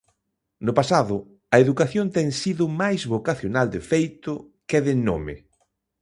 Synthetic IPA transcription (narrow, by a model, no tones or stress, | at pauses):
nʊpasaðʊ | ɐeðukaθjont̪ɛŋsiðʊmajzβokaθjonald̪ɪfejt̪ʊ | keðɪnomɪ̰